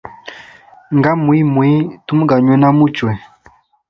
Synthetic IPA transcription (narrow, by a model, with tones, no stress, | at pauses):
ŋɡa˦mu˨i˦mu˨i˦tu˦m˦ɡa˨ɲwɛ˦na˦mu˦t͡ʃwɛ˨